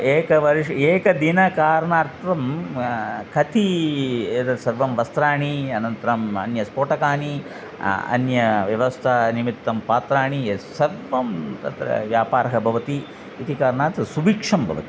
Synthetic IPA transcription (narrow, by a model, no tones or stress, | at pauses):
eːkɐʋɐɾiʂeːkɐd̪inɐkaːɾɐɳaːɾt̪ʋɐm | kʰɐt̪ʰied̪ɐɾsɐɾʋɐmʋɐst̪ɾaːɳiɐnɐnt̪ɾɐmɐ̰njɐspoːʈɐkaːni | ɐ̰njɐʋjɐʋɐst̪ʰɐnimit̪ːɐmpaːt̪ɾaːɳisɐɾʋɐmt̪ɐ̰t̪ɾɐ̰ʋjaːpaːɾɐɦɐbʱɐʋɐt̪iː | t̪ikaːɾɐɳaːt̪ɾɐsubiːkʂɐmbʱɐ̰ʋɐ̰t̪i̥